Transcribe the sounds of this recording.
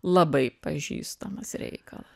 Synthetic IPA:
lˠɐbɐɪpɐʒʲḭːst̪ɐmɐsɾʲɛ̰ɪkɐ̰lˠɐ

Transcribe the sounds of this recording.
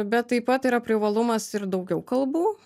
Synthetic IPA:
bʲɛt̪ːɐɪpɐt̪iːɾɐpʲɾʲɪʋɐlˠʊmɐsɪɾd̪ɐʊɡʲɛʊkɐlˠbuː

